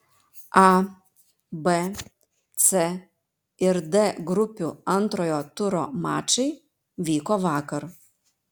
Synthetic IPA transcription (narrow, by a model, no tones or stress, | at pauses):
a | bɛ | t̪sɛ | ɪɾd̪ɛɡɾʊpʲʊɐnt̪ɾɔjɔt̪ʊɾɔma̰ːt͡ʃɪj | ʋʲiːkɔʋaːkɐɾ